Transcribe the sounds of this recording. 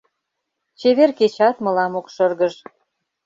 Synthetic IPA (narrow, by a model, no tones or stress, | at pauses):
t͡ɕeβerket͡ɕɑt̪mɤ̆lɑmokʃərɣəʒ